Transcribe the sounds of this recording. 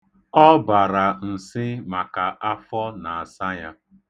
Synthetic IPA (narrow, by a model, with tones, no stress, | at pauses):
ɔ˦ba˨ɾa˨n̩˨sɪ˦ma˨ka˨ʔa˦fɔ˦na˨a˨sa˦ja˦